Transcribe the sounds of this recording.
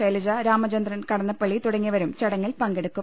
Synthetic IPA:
ɐlɐd͡ʑɐɾaːmɐd͡ʑɐnd̪rɐnkɐɽɐnːɐpːɐɭːit̪uɽɐŋːiʋɐɾumt͡ɕɐɽɐŋːilpɐŋɡeɽukːum

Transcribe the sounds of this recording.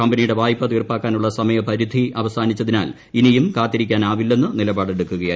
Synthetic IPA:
kɐmbɐnijuɽe̞ʋaːjipːɐt̪iːrpaːkːaːnuɭːɐsɐmɐjɐpɐɾid̪ʱiʔɐʋɐsaːnit͡ɕːɐðina̰ːl | inijumkaːt̪ːiɾikʲːaːnaːʋilːe̞nːɨnilɐbaːɽe̞ɽukːuɣɐjaː

